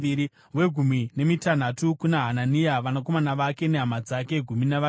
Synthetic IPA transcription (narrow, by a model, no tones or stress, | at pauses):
iɾi | we̞ɡʱumwine̞mitan̤atukunaɦananijaʋanako̞manaʋake̞ne̞ɦamad͡zake̞ɡʱuminaʋa